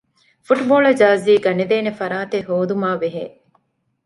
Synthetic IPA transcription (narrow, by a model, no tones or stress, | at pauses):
fuʈboːɭɐd͡ʒaːziːɡɐned̪eːnefɐɾaːt̪eɦoːd̪umaːʋeɦeː